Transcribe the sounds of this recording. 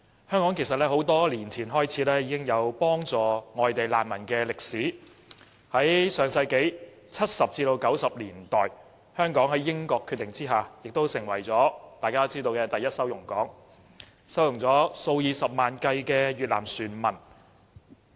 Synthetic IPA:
hœː˥ŋkɔː˨˥ŋkʰe˨˩jsɐ˨t̚lɛː˥ɦo˨˧˥wt̪ɔː˥liː˨˩nt͡sʰiː˨˩nɦɔː˥jt͡sʰiː˨˥lɛː˥˩jiː˧kɪ˥ŋjɐ˨˧wpɔː˥ŋt͡sɔː˨ŋɔː˨jt̪e˨jla̰ː˨˩nmɐ˨˩nkɛː˧lɪ˨k̚siː˨˥ | hɐ˨˥jsœː˨ŋsɐ˧jke˨˥j | t͡sʰɐ˥t̚sɐ˨p̚t͡siː˧t̪o˧wkɐ˨˥wsɐ˨p̚liː˨˩nt̪ɔː˨j | hœː˥ŋkɔː˨˥ŋhɐ˨˥jːɪ˥ŋkɔː˧kʰːy˧t̪ːɪ˨ŋt͡siː˥ɦaː˨jɪ˨k̚t̪o˥wsɪ˨˩ŋwɐ˨˩jt͡sɔː˨˥t̪aː˨jkaː˥t͡siː˥t̪o˧wkɛː˧t̪ɐ˨jɐ˥t̚sɐ˥wjʊ˨˩ŋkɔː˨˥ŋ | sɐ˥wjʊ˨˩ŋt͡sɔː˨˥so˧wjiː˨˧sɐ˨p̚maː˨nkɐ˧jkɛː˧ɥyː˨t̚la̰ː˨˩msyː˨˩nmɐ˨˩n

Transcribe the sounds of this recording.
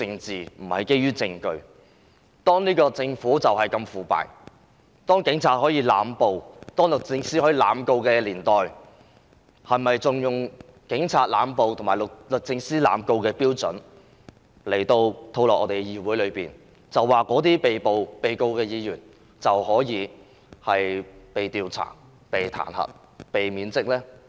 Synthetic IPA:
t͡sɪ˧ŋt͡siː˨m̩˨˩hɐ˨jke˥jyː˥t͡sɪ˧ŋkɵ˧ɥ | t̪ɔː˥ŋniː˥kɔː˧t͡sɪ˧ŋfuː˨˥t͡sɐ˨whɐ˨jkɐ˧mfuː˨pa̰ː˨j | t̪ɔː˥ŋkɪ˨˥ŋt͡sʰaː˧t̚hɔː˨˥jiː˧la̰ː˨˥mpo˨wt̪ɔː˥ŋlʊ˨k̚t͡sɪ˧ŋsiː˥hɔː˨˥iː˨˧la̰ː˨˧mko˧wkɛː˧liː˨˩nt̪ɔː˨j | hɐ˨jmɐ˨jt͡sʊ˨ŋjʊ˨ŋ | kɪ˨˥ŋt͡sʰaː˧t̚la̰ː˨˥mpo˨wt̪ʰʊ˨˩ŋmaː˨˩lʊ˨lɵ˨k̚t͡sɪ˧ŋsiː˥la̰ː˨˥mko˧wkɛː˧piː˥wt͡sɵ̰˨˥n | le˨˩jt̪o˧wt̪ʰo˧wlɔː˨kʔɔː˨˧ɾe˨ɛ˧jiː˨˧˨wuː˨˥jlɵ˨˧piː˨n | t͡sɐ˨wːaː˨kɔː˨˥t̪iː˥pe˨jpo˨wpe˨jko˧wkɛː˧jiː˨˧jyː˨˩n | t͡sɐ˨whɔː˨˥jiː˨˧ | hɐ˨jpe˨jt̪iː˨wt͡sʰa̰ː˨˩ | pe˨jt̪ʰa̰ː˨˩nhɐ̰˨˩t̚ | pe˨jmiː˨˧nt͡sɪ˥k̚lɛː˥

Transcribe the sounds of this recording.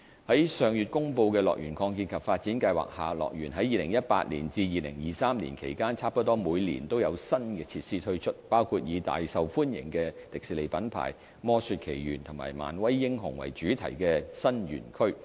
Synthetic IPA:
hɐ˨˥jsœː˨ŋjy˨t̚kʊ˥ŋpo˧wkɛː˧lɔ̰ː˨k̚jy̰ː˨˩nkʰɔː˧ŋk̬iː˧nkʰɐ˨p̚faː˧t̚t͡siː˨˥nkɐ˧jwa̰ː˨k̚haː˨lɔ̰ː˨k̚jyː˨˩nɦɐ˨˥jiː˨˧lɪ˨˩ŋjɐ˥t̚pa̰ː˧t̚lḭː˨˩nt͡siː˧jiː˨˧lɪ̰˨˩ŋjiː˨˩saː˥mlḭ˨˩nkʰe˨˩jkaː˥nt͡sʰaː˥p̚kɐ˥t̪ɔː˥muː˨˧jlḭː˨˩nt̪o˥wjɐ˨˧wsɐ˥nkɛː˧t͡sʰi˧t̚siː˥t̪ʰɵ˥ɥt͡ʃʰɵ˥t̚paː˥wkʰu˨˧t̚jiː˨˧t̪a̰ː˨jsɐ˨wfuː˥njɪ̰˨˩ŋkɛː˧t̪ɪ˨k̚siː˨˧le˨˧jpɐ˨˥npʰa̰ː˨˩j | mɔː˥syː˧t̚kʰe˨˩jjy̰ː˨˩nt̪ʰʊ˨˩ŋma̰ː˨˩jma̰ː˨˩nwɐ˥jːɪ˥ŋɦʊ˨˩ŋwɐ̰˨˩jt͡ʃyː˨˥t̪ʰɐ̰˨˩jkɛː˧sɐ˥njy̰ː˨˩nkʰɵ˥ɥ

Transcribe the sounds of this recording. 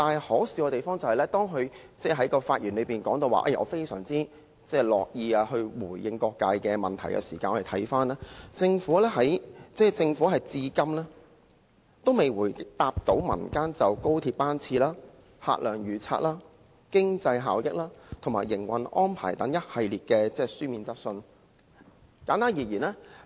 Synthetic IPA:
t̪aː˨˩nhɔː˨˥wsiː˨˧kɔː˧t̪e˨jfɔː˥ŋt͡sɐ˨whɐ˨jlɛː˥t̪ɔː˥ŋɦɵ˨˧ɥ | t͡sɛː˥˩ɦɐ˨˥jkɔː˧faː˧t̚jyː˨˩nlɵ˨˧ɥpiː˨nkɔː˨˥ŋt̪o˧wa̰ː˨ʔɐ̰˧jʔɔ̰ː˨˧fe˥jsœ̰ː˨˩ŋt͡siː˥ | t͡sɛː˥˩lɔː˨k̚jiː˧aː˧hɵ˧ɥwuː˨˩jjɪ˧ŋkɔː˧kːaː˧jkɛː˧mɐ˨˩nt̪ʰɐ˨˩jkɛ̰˧siː˨˩kaː˧nɔː˧˨˩t̪ʰɐ˨˥jfaː˥naː˥t͡sɪ˧ŋfuː˨˥lɛː˥ɦɐ˨˥jt͡sɛː˥˩t͡sɪ˧ŋfuː˨˥hɐ˨jt͡siː˧kɐ˥mlɛː˥ | t̪o˥wme˨jwuː˨˩jt̪aː˧p̚t̪o˨˥wmɐ̰˨˩nkaː˥nt͡sɐ˨wko˥wt̪ʰiː˧p̚paː˥nt͡sʰiː˧laː˥ | ha̰ː˧t̚lœː˨˩ŋjyː˨˩t͡sʰa̰ː˧t̚laː˥ | kɪ˥ŋt͡sɐ˧jɦaː˨wjɪ˥k̚laː˥t̪ʰo˨˩maː˨˩jːɪ˨˩ŋwɐ̰˨nʔɔ̰ː˥npʰa̰ː˨˩jt̪ɐ˨˥ŋjɐ˥t̚hɐ˨jliː˨t̚kɛː˧t͡sɛː˥syː˥miː˧nt͡sɐ˥k̚sɵ˧n | kaː˨˥nt̪aː˥njiː˨˩jiː˨˩nɛː˥

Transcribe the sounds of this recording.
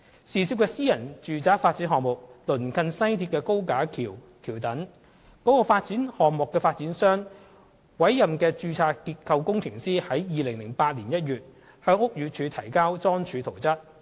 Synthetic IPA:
siː˨˩siː˧p̚kɛː˧siː˥jɐ˨˩nt͡ʃyː˨t͡saː˨˥faː˧t̚t͡siː˨˥nɦɔː˨k̚mʊ˨k̚lɵ˨˩nkʰɐ˧nsɐ˥jt̪ʰiː˧p̚kɛː˧ko˥wkaː˨˥kʰiː˨˩w | kʰiː˨˩wt̪ɐ˨˥ŋ | kɔ˨˥kɔː˧faː˧t̚t͡siː˨˥nhɔː˨mʊ˨kːɛː˧faː˧t̚t͡siː˨˥nsœː˥ŋ | wɐ˨˥jːɐ˨mkɛː˧t͡ʃyː˧t͡sʰaː˧kiː˧t̚kʰɐ˧wkʊ˥ŋt͡sʰɪ˨˩ŋsiː˥hɐ˨˥jjiː˨˧lɪ˨˩ŋlɪ˨˩ŋpaː˧t̚liː˨˩njɐ˥t̚jyː˨˩t̚ | hœː˧ŋʊ˥k̚jyː˨˧t͡ʃʰyː˨˧t̪ʰɐ˨˩jkaː˥wt͡sɔː˥ŋt͡ʃʰyː˨˧t̪ʰo˨˩wt͡sɐ˥t̚

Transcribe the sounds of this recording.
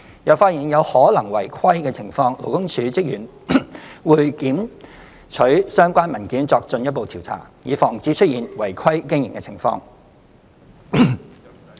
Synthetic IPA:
jɐ˨˧wfaː˧t̚ji˨˩njɐ˨˧whɔː˨˥lɐ˨˩ŋwɐ˨˩jkʰwɐ˥jkɛː˧t͡sʰɪ˨˩ŋfɔː˧ŋlo˨˩wkʊ˥ŋt͡ʃʰyː˨˥t͡sɪ˥k̚jyː˨˩n | wuː˨jkiː˨˥m | t͡ʃʰɵ˨˥ɥsœː˥ŋkʷaː˥nmɐ˨˩nkiː˨˥nt͡sɔː˧k̚t͡sɵ˧njɐ˥t̚po˨wt̪ʰi˨˩wt͡sʰa̰ː˨˩jiː˨˧fɔː˨˩ŋt͡siː˨˥t͡ʃʰɵ˥t̚jiː˨nwɐ˨˩jkʰɐ˥jkɪ˥ŋjɪ˨˩ŋkɛ̰ː˧t͡sʰɪ˨˩ŋfɔ̰ː˧ŋ

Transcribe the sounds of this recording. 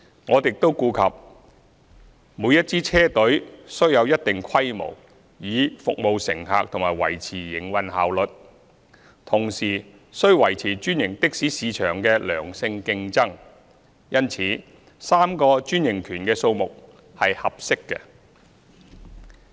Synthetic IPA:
ŋɔː˨˧t̪ɪ˨k̚t̪o˥wkuː˧kʰɐ˨p̚ | muː˨˧jɐ˥t̚t͡siː˥t͡sʰɛː˥t̪ɵ˨˥ɥsɵ˥ɥjɐ˨˧wjɐ˥t̚t̪ɪ˨ŋkʰɐ˥jmo̰˨˩w | jiː˨˧fʊ̰˨k̚mo˨wsɪ̰˨˩ŋɦa̰ː˨k̚t̪ʰʊ˨˩ŋmaː˨˩jwɐ̰˨˩jt͡sʰiː˨˩jɪ˨˩ŋwɐ˨nhaː˨wlɵ˨t̚ | t̪ʰʊ˨˩ŋsiː˨˩ | sɵ˥ɥwɐ˨˩jt͡sʰiː˨˩t͡ʃyː˥njɪ˨˩ŋt̪ɪ˥k̚siː˨˥siː˨˧t͡ʃʰœː˨˩ŋkɛː˧lœ̰ː˨˩ŋsɪ˧ŋkɪ˧ŋt͡sɐ˥ŋ | jɐ˥nt͡sʰiː˨˥ | saː˥mkɔː˧t͡ʃyː˥njɪ˨˩ŋkʰyː˨˩nkɛː˧so˧wmʊ˨k̚ | hɐ˨jhɐ˨p̚sɪ˥kːɛ̰˧

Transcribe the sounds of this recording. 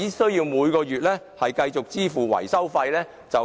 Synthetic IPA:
iː˨˥sɵ˥ɥjiː˧wmuː˨˧jkɔː˧jyː˨t̚lɛː˥ | hɐ˨jkɐ˧jt͡sʊ˨k̚t͡siː˥fuː˨wɐ̰˨˩jsɐ˥wfɐ˧jlɛː˥ | t͡sɐ˨w

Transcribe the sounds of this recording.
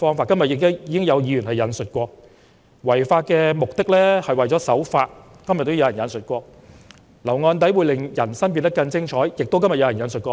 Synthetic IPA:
fɔː˥ŋfaː˧t̚kɐ˥mjt̚jɪ˨˧k̪ɪ˥jiː˨˧kɪ˥ŋjɐ˨˧wjiː˨˧ɥyː˨˩nhɐ˨jɐ˨nsɵ˨t̚kʷɔː˧k̚ | wɐ˨˩jfaː˧t̚kɛː˧mʊ˨k̚t̪ɪ˥k̚lɛː˥hɐ˨jwɐ˨jt͡ɕɔː˨˥sɐ˨˥wfaː˧t̚ | kɐ˥mjɐ˨t̪̚ːo˥wjɐ˨wjɐ˨˩njɐ˨˧nsɵ˨t̚kʷɔː˧k̚ | lɐ˨˩wŋɔː˧nt̪̬ɐ˨˥jwuː˨˧jlɪ˨˩ŋjɐ˨˩nsɐ˥npi˧nt̪ɐ˥kːɐ˧nt͡sɪ˥ŋt͡ʃʰɔː˨˥jjɪ˨k̚t̪wkɐ˥mjɐ˨t̚jɐ˧wjɐ˨˩jɐ˨˧nsɵ˨t̚kʷɔː˧

